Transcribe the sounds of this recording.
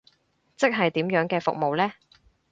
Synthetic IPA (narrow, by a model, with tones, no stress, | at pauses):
t͡sɪ˥k̚ɦɐ˨jt̪iː˨˥mjœː˨˥ŋkɛː˧fʊ̰˨k̚mo˨wlɛː˥